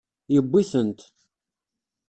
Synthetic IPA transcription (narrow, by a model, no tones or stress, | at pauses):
jəbʷːiθənt̪